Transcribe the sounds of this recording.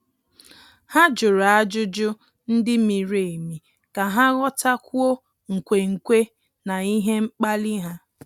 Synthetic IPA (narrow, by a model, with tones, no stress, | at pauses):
ha˦d͡ʒʊ˨ɾa˦d͡ʒʊ˦d͡ʒʊ˦ | n̩˦dɪ˦mi˨ɾe˨mi˨ | ka˨ɦa˦ɣɔ˦ta˦kʷu˦o˦ | ŋ̩˨kʷe˨ŋ̩˨kʷe˦ | na˨i˦ɦe˦ŋ͡m̩˦k͡pa˦li˦ɦa˦